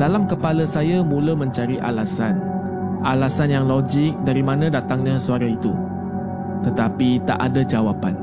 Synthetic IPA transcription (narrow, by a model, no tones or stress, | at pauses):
d̥alamkəpaləsajamũləmə̃ɲt͡ʃaɾiʔa̰lasan | ʔalasanjaŋlod͡ʒɪk̚daɾimãnãdat̪aŋɲãsuaɾait̪u | t̪ət̪apit̪a̰ʔadad͡ʒawapan